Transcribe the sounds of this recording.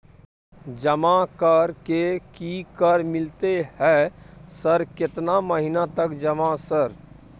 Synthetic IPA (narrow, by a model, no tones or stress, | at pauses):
d͡ʒəmakəɾkekikəɾmɪlt̪ehɛsəɾkɪt̪naməɦɪnat̪əkd͡ʒəmasəɾ